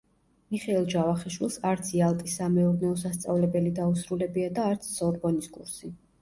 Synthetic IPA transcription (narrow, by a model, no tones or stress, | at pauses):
miχɛɛlˠd͡ʒavaχɛʃwilˠsaɾt̪sʰialˠt̪ʼisːamɛɔɾnɛɔsast̪sʼa̰vlɛbɛlid̪ausɾulɛbiad̪aːɾt̪sʰsɔɾbɔniskʼṵɾsi